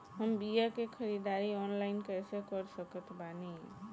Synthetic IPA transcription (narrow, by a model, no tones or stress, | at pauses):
ɦəmbijakekʰəɾid̪aɾiɔnlaɪnkəsekəɾsəkət̪ʰbani